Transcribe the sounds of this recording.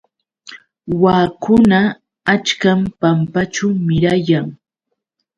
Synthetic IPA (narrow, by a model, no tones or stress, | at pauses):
waːkʊnaː | t͡ʃkampampat͡ʃawmɪɾajaŋ